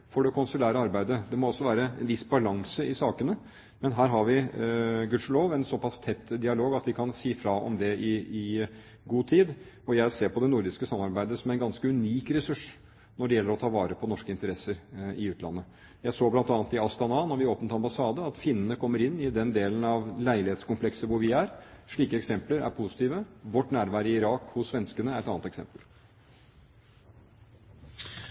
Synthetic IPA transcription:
fɔɖɛkʰɔnsʉlæːɾəɑɾbæɪd̪əd̪ɛmɔɔsːɔʋæːɾəɛnʋɪsbɑlɑŋsəʔɪsɑːkənə | mɛnɦæːɾɦɑɾʋɪɡʉʂloːʋɛɪnsɔpʰɑst̪ʰɛt̪ːd̪ɪɑloːɡɑt̪ʋɪkʰɑnsiːfɾɑɔ̰md̪ɛɪɪ | ɡuːt̪ʰiːd̪ | ɔjæɪseːɾpɔd̪ɛnʊɾd̪ɪskəsɑmːɑɾbæɪd̪əsɔmæɪnɡɑnskəʉniːkɾɛsʉʂ | nɔɖɛjɛlːəɾɔt̪ʰɑːʋɑːɾəpʰɔnɔʂkəɪnt̪əɾɛsːəɾɪʉːt̪ʰlɑ̰nːə | jæɪsoːblɑnt̪ɑːnt̪ɪɑst̪ɑnɑnɔɾʋɪoːpənt̪ɑmbɑsɑːd̪əɑt̪fɪnːənəkʰɔmːəɾɪnːɪd̪ɛnd̪eːlənɑʋlæɪlɪheːt̪skʊmpʰlɛksəʋʊɾʋɪæɾʂɭiːkəɛksɛmpləɾæ̰ɾpʰʊsɪ̥t̪ʰiːʋəʋɔʈːnæːɾʋæːɾəɪɪɾɑːkhʊsːʋɛnskənəæɾɛt̪ɑːnt̪ɛksɛ̰mpəl

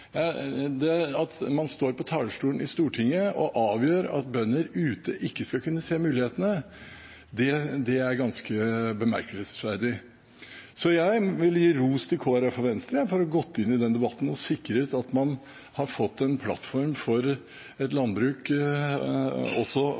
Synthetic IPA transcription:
jɑd̪ɛɑt̪mɑnst̪oːɾpɔt̪ʰɑːləʂʈuːənɪst̪uːʈʰɪŋːəɔʔɑːʋjøːɾɑ̰t̪bœnːəɾʉːt̪əʔɪkːəskɑkʰʉnːəseːmʉːlɪheːt̪ənə | d̪ɛd̪ɛæɾɡɑnskəbəmæ̰ɾkəlsʋæɾd̪ɪ | sɔjæɪʋɪljiːɾuːst̪ʰɪlkʰoːɾəfɔɾʋɛnst̪ɾəfɔɾɔɡɔt̪ːɪnːɪd̪ɛnd̪ɛbɑt̪ːn̩ɔsɪkːɾəʉt̪ɑt̪mɑn | hɑɾfɔt̪ːɛnpʰlɑ̰t̪fɔɾmfɔɾ | ɛt̪lɑnbɾʉːk | ɔsːɔ

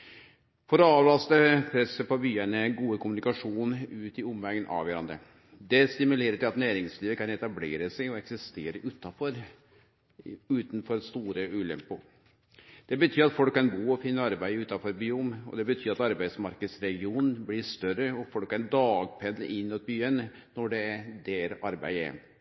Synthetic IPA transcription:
fɔɾɔɑːʋlɑst̪əpʰɾɛsːəpɔbyːənəɡuːəkʰʊmʉnɪkɑʂuːnʉːt̪ɪʊmʋɛɡənʔɑ̰ːʋæɾɑ̰nd̪ɾə̰ | d̪ɛst̪ɪmʉleːɾət̪ʰɪlɑt̪næːɾɪŋsliːʋəkʰɑnɛt̪ɑblḛːɾəsɛɪɔɛksɪst̪eːɾəʔʉːt̪ɑfɔɾ | ʉːt̪n̩fɔɾst̪uːɾəʉːlɛ̰mpʊ | d̪̥ɛbət̪ʰyːɾɑt̪fɔlkʰːɑnbuːɔfɪnːəɑɾbæɪəʉːt̪ɑfɔɾbyːʊmɔ̰d̪ɛbət̪ʰyːɾɑt̪ɑɾbæɪd̪smɑɾkəd̪sɾɛɡɪuːnnn̩blɪʂt̪œɾəɔfɔlkːæd̪ɑːɡpʰɛnːəʔɪnːuːt̪̚byən | nɔɖɛd̪ɛɾɑɾbæ̰ɪɛ̰

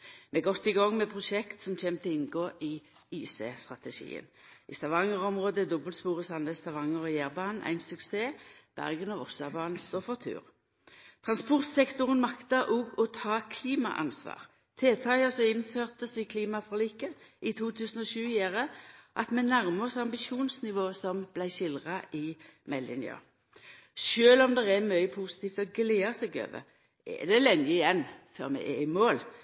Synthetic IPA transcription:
mɛɡɔt̪ːɪɡɑŋːmɛpʰʁʊʃɛkt̪sɔmc͡çʰeːmt̪ʰəɪnɡoːʔɪ | iːsḛːst̪ʁɑt̪ɛʃḭːə̰nɪ̰st̪ɑʋɑŋəʁɔmʁoːd̪əd̪ɔbəlspuːʁəsɑnd̪əst̪ɑʋɑŋːəʁɔjæːʁbɑːnn̩ʔæ̰ɪnsʉkseːb̥æ̰ʁɡənɔʋɔ̰sɑbɑːnn̩st̪oːfɔʁt̪ʰʉ̰ːʁ | t̪ʰʁɑnspʊʁt̪sɛkt̪ʊʁənmɑkt̪əʔoɡɔt̪ʰɑːkʰliːmɑ̰ʔɑ̰nsʋɑ̰ːʁ | t̪ʰeːt̪ʰɑəsɔɪnføːʁt̪əsʋɪkʰliːmɑfʁliːkənɪt̪ʰuːt̪ʰʉːsənɔʃʉːjæːʁəʔɑt̪mɛnæʁməsɑmbɪʃuːnsnɪʋoːsɔmb̥læɪʃɪlʁɑʔɪmɛlːɪ̰nɪ̰ɑ̰ | ʃøːlɔmd̪ɛʁɛmœʏəpʰusɪ̥t̪ʰiːft̪ɔɡleːɑsɛɡø̰ːʋə̰ | ʔɛ̰d̪ɛlɛnːɪɪjɛnːfø̰ːʁmɛ̰ʔɛ̰ɪmoːl

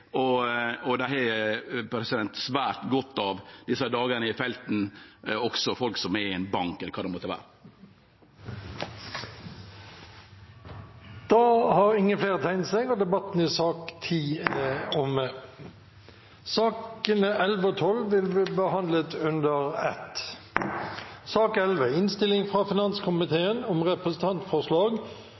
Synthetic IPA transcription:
ɔɔd̪ɛhɛpɾɛsɪd̪ɛnt̪sʋæːʈɡɔt̪ːɑʋd̪̥ɪsəd̪ɑːɡənəɪfɛlt̪n̩ɔksɔfɔlksɔmɛɛnbɑŋkɛləkʰɑːd̪ɛmɔt̪ːəʋæ̰ːɾə | d̪̥ɑːhɑʁɪŋːəfleːʁət̪ʰæɪnt̪sɛɡoːd̪ɛbɑt̪n̩ɪsɑːkt̪ʰiːɔmə | sɑːkənəʔɛlʋəoːt̪ʰɔlːʋɪlbiːbəhɑnd̪lət̪ʉnd̪əʁɛ̰t̪ | sɑːkɛlʋəɪnst̪ɪlɪŋfʁɑːfɪnɑnskʰʊmɪt̪ʰeːənɔmʁɛpʁəsn̩t̪ʰɑnt̪fɔʁʂlɑːɡ

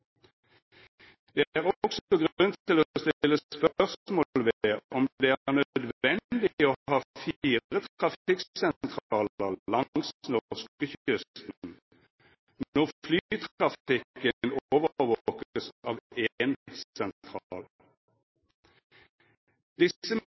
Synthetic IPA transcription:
d̪̥eːæːʁɔksɔɡʁʉntt̪ʰɪloːst̪ɪɪlːəsspœʁsmoːlʋeeːɔmdd̪eːæːæːʁnœd̪ʋɛnd̪ɪoːhɑːfiːət̪ʁɑfɪksɛnt̪ʰʁɑːlʁllɑsnɔʁskəçʏst̪nn̩ | nnɔʁflyt̪ʰɑfɪkənoːʋəʋoːkəsɑːʋensɛnt̪ʰʁɑːl | d̪̥ɪəm

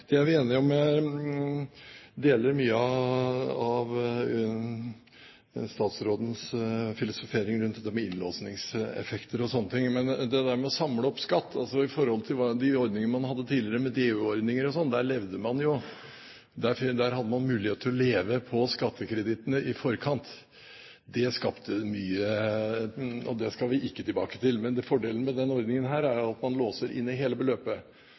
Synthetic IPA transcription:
d̪̥ɛæɾʋɪeːnɪɔmɛ | d̪eːləɾmyːəɑ | ɑʋ | st̪ɑːt̪sɾoːd̪n̩sfɪlʊsʊfeːɾɪŋɾʉnt̪ɛt̪ːəɾmɛɪnloːsnɪŋsɛ̰fɛkt̪əɾɔsɔnːət̪ʰɪŋːmɛnd̪ɛd̪æɾmɛɔsɑmləɔpskɑt̪ːɑ̰lsɔɪfɔɾhɔlt̪ʰɪlʋɑd̪ɪɔɾd̪nɪŋənəmɑnhɑd̪ːət̪ʰiːlɪəɾəmɛd̪eːʉɔɾd̪nɪŋəɾɔsɔnːd̪æɭɛʋd̪əmɑnjʊ | d̪æfd̪æːɾhɑd̪ːəmɑnmʉːlɪeːt̪ət̪ʰɪlɔleːʋəpʰɔskɑt̪ʰːəkʰɾɛd̪ɪt̪ənəʔɪfɔɾkʰɑnt̪ | d̪ɛskɑpt̪ʰəmyːə | ɔ̰d̪ɛskɑlʋɪʔɪkːət̪ʰɪlbɑ̰ːkə̥t̪ʰɪlmɛnd̪ɛfɔɖeːlənəmɛd̪ɛnɔɾd̪nɪŋənɦæːɾæɾjʊɑt̪mɑnloːsəɾʔɪ̰nːɪɦeːləbəløːpə

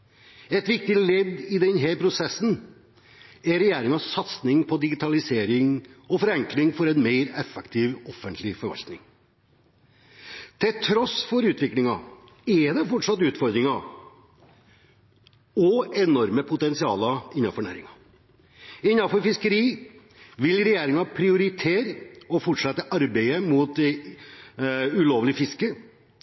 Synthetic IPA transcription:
ɛt̪ʋɪk̚t̪ɪlɛd̪ɪd̪ɛnɦɛɾpʰɾʊsɛsːn̩ | ɛɾɛjeːɾɪŋɑsːɑt̪snɪŋpʰɔd̪ɪɡɪt̪ʰɑlɪseːɾɪŋɔfɔɾɛŋklɪŋfɔɾɛnmeɪɾɛfːɛkt̪ʰiʋɔfːənt̪ʰlɪfɔɾʋɑ̰lt̪nɪ̰ŋ | t̪ʰɪlt̪ʰɾɔsfɔɾʉːt̪ʰʋɪklɪŋɑ | ɛd̪ɛfɔʈʂɑt̪ːʉːt̪fɔɾd̪ɾɪŋɑ | ɔɛnɔɾməpʰʊt̪ɛnsɪɑːləɪnːɑfɔɾɳæ̰ːɾɪ̰ŋɑ | ɪnːɑfɔɾfɪskəɾiː | ʋɪlɾɛjeːɾɪŋɑpʰɾɪʊɾɪt̪ʰeːɾɔfɔʈʂɑt̪ːəʔɑɾbeɪəmuːt̪ | ʉloːʋlɪfɪskə

